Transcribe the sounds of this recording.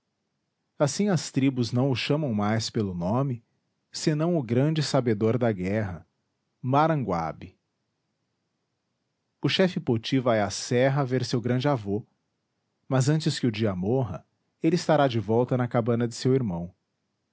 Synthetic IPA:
asĩɐst̪ɾibʊznɐ̃w̃ʊʃɐ̃mɐ̃w̃majspelʊnõmɪ | sɪnɐ̃w̃ʊɡɾɐ̃d͡ʒɪsabed̪oɾd̪ɐɡɛɦɐ | maɾɐ̃ŋɡwa̰bɪ | ʊʃɛfɪpot͡ʃivaɛasɛɦɐveɾsewɡɾɐ̃d͡ʒɪavo | mɐzɐ̃nt͡ʃɪskɪʊd͡ʒiɐmoɦɐ̰ | elɪist̪aɾad͡ʒɪvɔwt̪ɐnɐkabɐ̃nɐd͡ʒɪsewiɾmɐ̃w̃

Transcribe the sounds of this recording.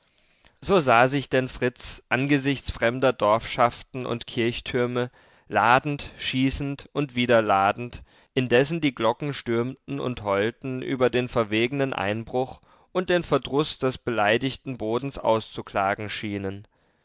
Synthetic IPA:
z̥oːzaːzɪçd̥ɛnfʁ̥ɪt͡sʔanɡəzɪçt͡sfʁ̥ɛmdɐdɔɐfʃaftn̩ʊ̰ntkʰɪɐçtʰʏɐmə | laːdn̩tʃiːsn̩tʔʊntv̥iːdɐlaːdn̩t | ʔɪndɛsn̩diːɡlɔkŋ̩ʃtʏɐmtn̩ʊ̰nthɔltn̩ʔy̰ːbɐdeːnfɛɐveːɡənənʔa̰ɪnbʁʊχ | ʔʊnt̚d̥eːnfɛɐdʁʊsd̥ɛsb̥əlaɪdɪçtn̩boːdn̩sʔa̰ʊst͡sukl̥aːɡŋ̩ʃiːnən

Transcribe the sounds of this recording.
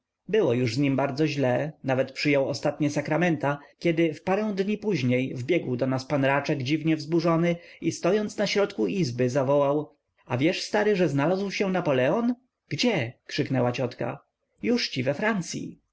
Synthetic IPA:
bɘwɔjuʐzɲimbaɾd̪zɔʑlɛnavɛt̪pʂɘjɔwɔst̪at̪ɲɛsakɾamɛnt̪akʲɛd̪ɘfpaɾɛ̃w̃d̪ɲipuʑɲejvbʲjɛɡwd̪ɔnaspanɾat͡ʂɛɡd͡ʑivɲɛvzbuʐɔnɘist̪ɔjɔnt̪snaɕɾɔt̪kuizbɘzavɔwaw | avʲjɛʂst̪aɾɘʐɛznalazwɕɛnapɔlɛɔn | ɡ̥d͡ʑɛkʂɘknɛwat͡ɕɔt̪ka̰ | juʂt͡ɕivɛfɾant̪sʲjḭ

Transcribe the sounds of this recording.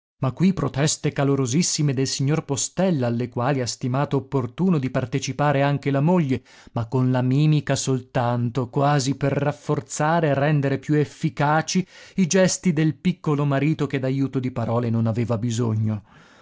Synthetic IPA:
makːwipːɾot̪ɛst̪ekaloɾozisːimed̪elsiɲːorpost̪ɛlːaalːekwaːliast̪imaːt̪oːpːort̪uːnod̪ipart̪et͡ʃipaːɾeaŋk̟elamoʎːe | makːonlamiːmikasolt̪ant̪okwaːziperːafːort̪saːɾeːrːɛnd̪eɾepjuefːikaːt͡ʃiid͡ʒɛst̪id̪elpikːolomaɾiːt̪ok̟ed̪ajuːt̪od̪ipaɾɔːlenonaveːvabizoɲːo

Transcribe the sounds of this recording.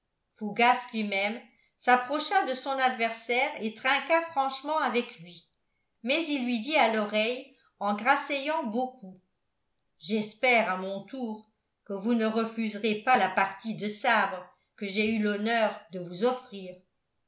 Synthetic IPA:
fuɡaslɥimɛm | sapχɔʃad̪əsɔ̃nad̪vɛʁsɛʁet̪χɛ̃kafχɑ̃ʃmɑ̃avɛklɥi | mɛzilːɥid̪ialɔʁɛj | ɑ̃ɡʁasejɑ̃bokʰu | ʒɛspɛʁamɔ̃t̪uːʁ | kəvunəʁəfyzʁepalapaʁt̪id̪əsabʁə | kəʒeylɔnœːʁd̪əvuzɔfχiːʁ

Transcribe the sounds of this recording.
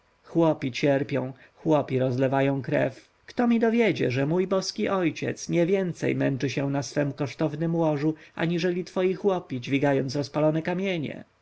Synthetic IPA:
xwɔpʲit͡ɕɛɾpʲjɔ̃w̃ | xwɔpʲiɾɔzlɛvajɔ̃w̃kɾɛ̰f | kt̪ɔmʲid̪ɔvʲjed͡ʑɛ̰ʐɛmujbɔskʲiʔɔjt͡ɕɛ̰t̪sɲɛvʲjɛnt̪sɛ̰jmɛnt͡ʂɘɕɛ̃nasfɛmkɔʂt̪ɔvnɘmwɔʐuʔa̰ɲiʐɛlʲit̪fɔjixwɔpʲid͡ʑvʲiɡajɔnt̪sɾɔspalɔnɛkamʲjeɲɛ̰

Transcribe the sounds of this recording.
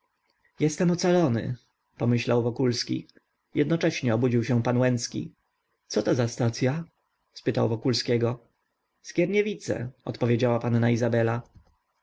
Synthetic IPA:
jɛst̪ɛmɔt̪salɔnɘ̰ | pɔmɘɕlawvɔkulskʲḭ | jɛd̪nɔt͡ʂɛɕɲɛɔbud͡ʑiwɕɛ̃panwɛnt̪skʲḭ | t̪sɔt̪ɔzast̪at̪sʲja | spɘt̪awvɔkulskʲɛɡɔ | skʲɛɾɲɛvʲit̪sɛ̰ɔ̰t̪pɔvʲjed͡ʑawapanːaizabɛla

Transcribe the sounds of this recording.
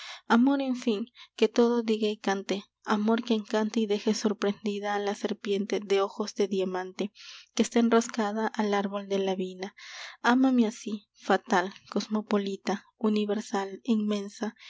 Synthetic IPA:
amo̞ɾe̞ɱfiŋke̞t̪o̞ðo̞d̪iɣaikant̪e | amo̞ɾkeːŋkant̪eiðe̞xe̞so̞ɾpɾe̞nd̪iðaːlase̞ɾpje̞nt̪e̞ðe̞o̞xo̞zd̪e̞ðjamãnt̪e̞kest̪aenroskaðaʔalaɾβo̞ld̪elaβinaamameasi | fat̪alko̞smo̞po̞lit̪a | uniβe̞ɾsalinmẽ̞nsa

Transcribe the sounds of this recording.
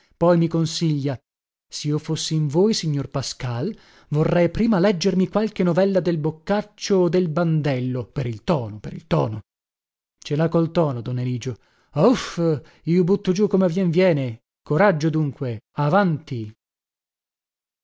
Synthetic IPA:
pɔjmikonsiʎːa | siiofosːiiɱvoːjsiɲːorpaskal | vorːɛjpɾiːmalɛd͡ʒːermikwalkenovɛlːad̪elbokːat͡ʃːoːd̪elband̪ɛlːopeɾilt̪ɔːnopeɾḭlt̪ɔːno | t͡ʃelakolt̪ɔːnod̪onːeliːd͡ʒo | of | iːobut̪ːod͡ʒukomeavjɛɱvjɛːne | koɾad͡ʒːod̪uŋkweavant̪i

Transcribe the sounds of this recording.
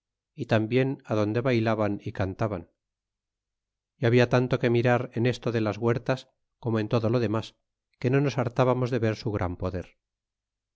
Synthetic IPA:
it̪ambje̞naðo̞nd̪e̞βajlaβanikant̪aβan | iaβiat̪ant̪o̞ke̞miɾaɾene̞st̪o̞ðe̞lazɣwe̞ɾt̪as | ko̞moe̞nt̪o̞ðo̞lo̞ðe̞mas | ke̞no̞no̞saɾt̪aβamo̞zðe̞βe̞ɾsuɣ̞ɾʔa̰mpo̞ðe̞ɾ

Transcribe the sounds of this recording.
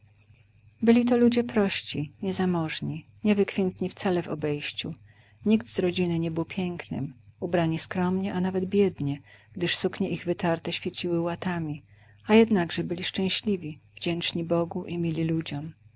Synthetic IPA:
bɘlʲit̪̬ɔlud͡ʑɛpɾɔɕt͡ɕiɲɛzamɔʐɲi | ɲɛvɘkfʲjɛnt̪ɲift̪salɛvɔ̰bɛjɕt͡ɕṵ | ɲiɡt̪zɾɔd͡ʑinɘɲɛbɘwpʲjɛŋknɘ̰mubɾaɲiskɾɔmɲɛʔanavɛd̪bʲjɛd̪ɲɛɡ̥d̪ɘʂsukɲɛʔiɣvɘt̪aɾt̪ɛɕfʲjet͡ɕiwɘwat̪amʲi | ajɛd̪naɡʐɛbɘlʲiʂt͡ʂɛ̃w̃ɕlʲivʲiv̥d͡ʑɛnt͡ʂɲibɔɡuʔimʲilʲilud͡ʑɔm

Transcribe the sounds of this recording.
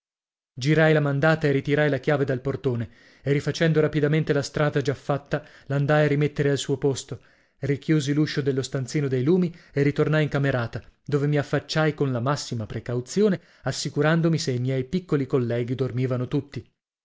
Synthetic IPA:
d͡ʒiɾajlamand̪aːt̪aerit̪iɾajlakjaːved̪alport̪oːne | erifat͡ʃɛnd̪oɾapid̪ament̪elast̪ɾaːd̪ad͡ʒafːat̪ːa | land̪ajarimet̪ːeɾealsuːopost̪o | rikjuːziluʃːod̪elːost̪ant̪siːnod̪ejluːmierit̪ornajiŋkameɾaːt̪ad̪oːvemiafːat͡ʃːajkonlamasːimapɾekawt̪sjoːne | asːikuɾand̪omiseimjɛjpikːolikolːɛːɡid̪ormiːvanot̪ut̪ːi

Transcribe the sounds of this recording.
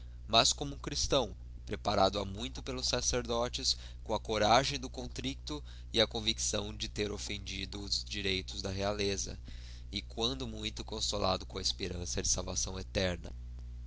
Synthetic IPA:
mɐskõmʊũkɾist̪ɐ̃w̃ | pɾepaɾad̪ʊɐmũj̃t̪ʊpelʊsaseɾd̪ɔt͡ʃɪs | kõɐkoɾaʒẽj̃d̪ʊkõt̪ɾik̚t̪ʊ | ɪɐkõviksɐ̃w̃d͡ʒɪt̪eɾofẽnd͡ʒid̪ʊːzd͡ʒiɾejt̪ʊzd̪ɐɦealezɐ̰ | ɪkwɐ̃nd̪ʊmũj̃t̪ʊkõsola̰d̪ʊkõɐispeɾɐ̃sɐd͡ʒɪsawvasɐ̃w̃et̪ɛɾnɐ̰

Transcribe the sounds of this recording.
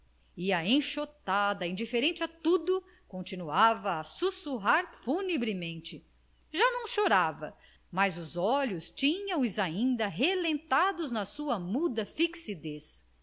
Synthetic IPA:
iɐẽʃot̪ad̪ɐĩd͡ʒifeɾẽnt͡ʃɪat̪ud̪ʊ | kõnt͡ʃinuavɐːsusuɦaɾfunebɾɪmẽnt͡ʃɪ | ʒanɐ̃w̃ʃoɾavɐ | mɐzʊzɔʎʊst͡ʃĩɲɐ̃w̃ʊzaĩnd̪ɐɦelẽnt̪ad̪ʊznɐsuɐmud̪ɐfiksid̪es

